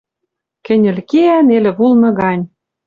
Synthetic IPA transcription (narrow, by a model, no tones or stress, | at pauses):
kɘ̆nʲɘ̆lkeænelĕβulnɤ̆ɣɑnʲ